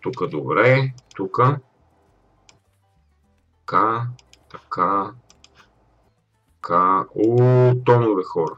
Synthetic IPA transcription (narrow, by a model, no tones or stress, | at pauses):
t̪ukəd̪obɾɛt̪ukə | t̪ɐka | t̪ɐkʰa | kʰaot̪ɔnʊɾɛxɔɾə